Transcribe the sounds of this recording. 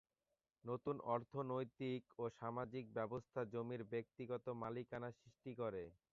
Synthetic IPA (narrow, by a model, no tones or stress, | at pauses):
not̪unɔɾt̪ʰonojt̪ikoʃamad͡ʑik̚bɛbost̪ʰad͡ʑomiɾbek̚t̪iɡɔt̪omalikanasɾiʃʈikoɾe